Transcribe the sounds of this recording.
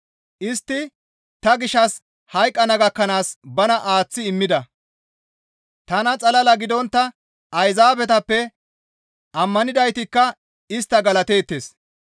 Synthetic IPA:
ʔɪst̪ːɪ | t̪ɐɡɪʃɐs | hɐjkʼːɐnɐɡɐkːɐnaːsbɐnɐʔaːt͡sːɪɪmːɪd̪ɐ | t̪ɐnɐt͡sʼɐlɐlɐɡɪd̪ɔnt̪ːɐ | ɐjzaːbɛt̪ɐpːɛ | ʔɐmːɐnɪd̪ɐjt̪ɪkːɐ | ɪst̪ːɐɡɐlɐt̪e̞ːt̪ːe̞ːs

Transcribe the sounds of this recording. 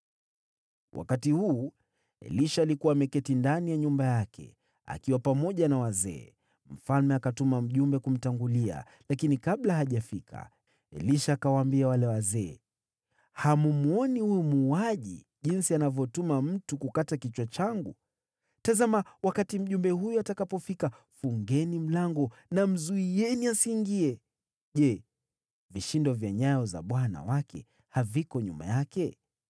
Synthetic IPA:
wʔa̰katihuː | ɛ̰liʃaːlikuwaːmɛkɛtindanijaɲumbajakʰɛ̰ | a̰kiwapamɔʄanawazɛ̰ː | m̩falmɛakatumam̩ʄumbɛkum̩taŋɡulia̰ | lakinikaɓlaɦaʄafikʰa̰ | ɛ̰liʃaːkawaːmbiawalɛwazɛː | hamumuɔnihujumuːaʄḭ | ʄinsianavjɔtumam̩tukukatakit͡ʃwat͡ʃaŋɡu | tazamawakatim̩ʄumbɛɦujuatakapɔfika | fuŋɡɛnim̩laŋɡɔnam̩zuijɛniasiŋɡiɛ | ʄɛ | viʃindɔvjaɲajɔza̰ɓwana̰wakʰɛ̰ | havikɔɲṵma̰jakɛ

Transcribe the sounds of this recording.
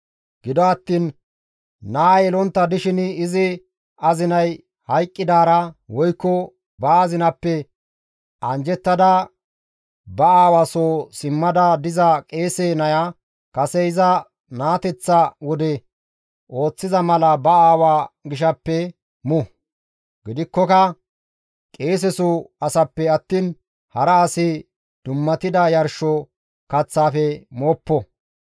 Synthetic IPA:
ɡ̥ɪd̪ɔɐt̪ːiːnː | aːjɛlɔnt̪ːɐd̪ɪʃɪnɪzɪ | ɐzɪnɐj | hɐjkʼːɪd̪aːɾɐwɔjkːɔ | bɐːzɪnɐpːɛ | ʔɐnd͡ʒɛt̪ːɐd̪ɐ | bɐaːwasoːsɪmːɐd̪ɐd̪ɪzɐkʼeːseːnɐja | kɐsɛɪzɐ | naːt̪ɛt͡sːɐwɔd̪ɛ | o̞ːt͡sːɪzɐmɐlɐbɐaːwaːɡɪʃ̬ɐpːɛ | mʊ | ɡɪd̪ɪkːɔkɐ | kʼe̞ːs̬ɛsuɐsɐpːɛɐt̪ːiːn | hɐɾɐːsɪ | d̪̥ʊmːɐt̪ɪd̪ɐjɐɾʃɔ | kɐt͡sːaːfɛmoːpːɔ

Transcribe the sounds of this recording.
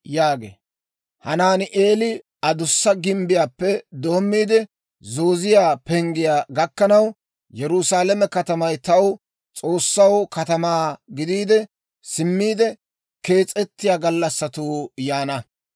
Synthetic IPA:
jaːɡḛː | hɐnaːnɪʔeːlɪ | ɐd̪ʊsːɐɡɪmbɪjaːpːɛd̪oːmːiːd̪ɛ | zoːzɪjaːpɛŋɡɪjaːɡɐkːɐnɐw | jɛɾʊsaːlɐmɛkɐt̪ɐmɐjt̪ɐw | t͡sʼo̞ːsːɐwkɐt̪ɐmaːɡɪd̪iːd̪ɛ | sɪmːiːd̪ɛ | ke̞ːt͡sʼɛt̪ːɪjaːɡɐlːɐsːɐt̪uːjaːnɐ

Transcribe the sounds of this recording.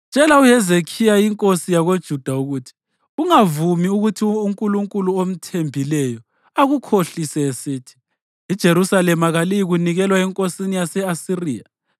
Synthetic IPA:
t͡ʃt͡ʃʼɛlauɦɛzekʰijajiŋkʼosijaɣod̥ʒ̥ʱud̥ʱauɣutʰi̥ | uŋavumiuɣutʰiuŋkʼuluŋkʼuluom̩tʰembʱilɛjɔ | aɣukʰoɬisɛesiːtʰi̥ | id̥ʒ̥ʱeɾusalɛmaɣalijiɣuniɣɛlwaɛŋkʼosinijasɛasiriːja̰

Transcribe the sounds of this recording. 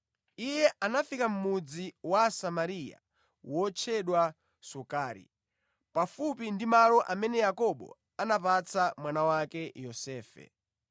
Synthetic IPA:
ijɛʔanafikam̩mud͡ziwasamaɾija̰ | wɔt͡ʃʰɛɗwa | sukaːɾḭ | pafupindimalɔʔamɛnɛjakɔɓɔ̰ | anapat͡samwanawakɛjɔsɛːfɛ̰

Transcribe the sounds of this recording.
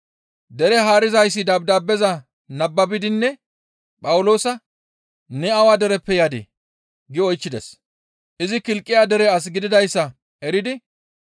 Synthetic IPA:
d̪ɛɾɛɦaːɾɪzɐjs̬ːɪd̪ɐb̚d̪aːbːɛzɐ | nɐbːɐbɪd̪ɪnːɛ | pʼɐwʊlo̞ːsɐ | nɛɐwaːd̪ɛɾɛpːɛjaːd̪ḛː | ɡɪɔjt͡ʃːɪd̪ɛs | ʔɪzɪkɪlkʼːɪjaːd̪ɛɾɛɐs̬ɡɪd̪ɪd̪ɐjsːɐ | ɛɾɪd̪ɪ

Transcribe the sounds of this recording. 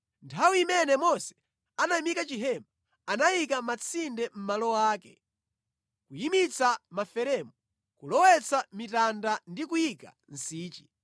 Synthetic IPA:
ntʰawiimɛnɛmɔsɛ̥ | anamikat͡ʃiɦɛma | anajikamat͡sʰindɛm̩malɔwaːkɛ | kujimit͡samafɛɾɛmɔ | kulɔwɛt͡sʰamitandandikujika | n̩siːt͡ʃi̥

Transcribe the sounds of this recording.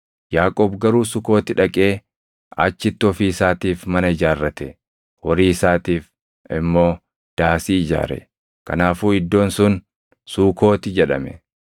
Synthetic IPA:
jaːkʼoːbɡɐɾuːsʊko̞ːt̪ɪᶑɐkʼeː | ɐ̰t͡ʃːɪt̪ːɪɔfiːɪsaːt̪iːfmɐnɐɪd͡ʒaːrːɐt̪ɛ | wɔɾiːɪsaːt̪iːf | ɪmːo̞ː | d̪̥aːsiːɪd͡ʒa̰ːɾɛ̰ | kɐ̰naːfuːɪd̪ːo̞ːnsʊn | suːko̞ːt̪ɪd͡ʒɛᶑɐ̰mɛ̰

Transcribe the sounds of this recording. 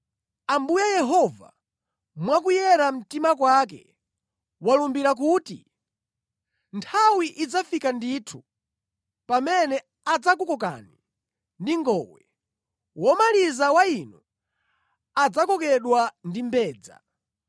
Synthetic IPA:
ambujajɛɦɔva̰ | mwakujɛɾam̩timak̬wakɛ̰ | walumbiɾak̬uːtḭ | ntʰawiʔid͡zafikanditʰu̥ | pamɛnɛ | ad͡zak̬ukɔk̬a̰ni | ndiŋɡɔwɛ | wɔmalizawainu | ad͡zakɔkɛɗwandimbɛːd͡za̰

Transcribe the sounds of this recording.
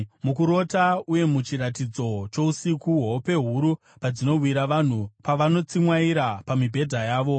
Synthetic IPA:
mukuɾo̞tauje̞mut͡ʃiɾatid͡zo̞t͡ʃo̞usikuɦwope̞ɦuɾu | pad͡zino̞wiɾaʋan̤upaʋano̞t͡simwaiɾapamibʱe̞dʱajaːʋo̞

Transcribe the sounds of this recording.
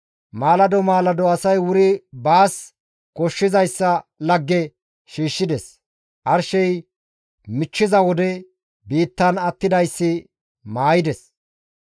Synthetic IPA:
maːlɐd̪ɔmaːlɐd̪ɔɐsɐjwʊɾɪbaːs | kɔʃːɪzɐjsːɐlɐɡːɛ | ʃiːʃːɪd̪ɛs | ʔɐɾʃɛj | mɪt͡ʃːɪzɐwɔd̪ɛ | biːt̪ːɐnɐt̪ːɪd̪ɐjsːɪ | maːjɪd̪ɛs

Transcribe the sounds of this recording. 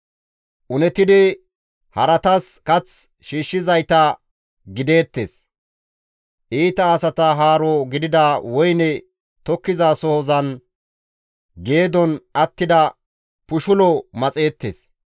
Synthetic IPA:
ʔʊnɛt̪ɪd̪ɪ | hɐɾɐt̪ɐskɐt͡s | ʃiːʃːɪzɐjt̪ɐ | ɡɪd̪e̞ːt̪ːḛs | ʔiːt̪ɐːsɐt̪ɐɦaːɾɔɡɪd̪ɪd̪ɐwɔjnɛ | t̪ɔkːɪzasɔhɔzɐn | ɡe̞ːd̪ɔnɐt̪ːɪd̪ɐ | pʊʃʊlɔmɐt͡sʼe̞ːt̪ːḛːs

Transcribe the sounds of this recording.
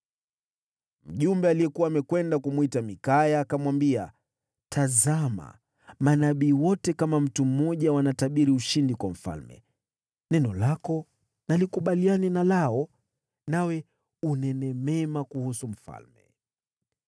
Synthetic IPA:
m̩ʄumbɛalijɛkuwaːmɛkwɛndakumwitamikajaːkamwambia̰ | tʰazama̰ | manaɓiːwɔtɛkamam̩tum̩ːɔʄawanataɓiɾiuʃindikwam̩fa̰lmɛ̰ | nɛnɔlakɔ | nalikuɓalianɛnalaɔ | nawɛ | unɛnɛmɛmakuhusum̩fa̰lmɛ̰

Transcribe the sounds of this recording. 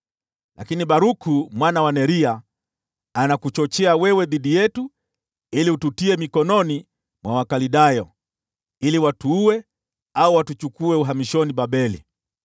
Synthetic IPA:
lʔa̰kiniɓaɾukumwanawanɛɾia | anakut͡ʃɔt͡ʃɛawɛwɛðiɗijɛtu | iliututiɛmikɔnɔni | mwawakaliɗajɔ | iliwatuuwɛ | auwatut͡ʃukuɛuɦamiʃɔniɓaɓɛlḭ

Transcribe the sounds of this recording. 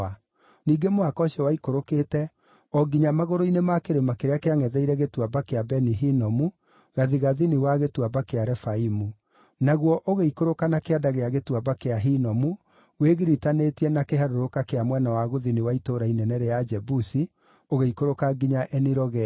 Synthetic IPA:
a | niːɡemoakɔɕiɔwaikoɾokeːtɛ | ɔɡiɲamaɣoɾoinemakeɾemakeɾeakeaŋɛðɛiɾɛɣetwabakeabɛniɦinɔmu | ɣaðiɣaðiniwaɣetwabakeaɾɛfaimu | naɣwɔʔoɣeikoɾokanakeadaɣeaɣetwabakeaɦinɔmu | weɣiɾitanetiɛnakeɦaɾoɾokakeamwɛnawaɣoðiniwaitoːɾainɛnɛɾead͡ʒɛbusi | oɣeikoɾokaɡiɲaʔɛniɾɔɣɛ

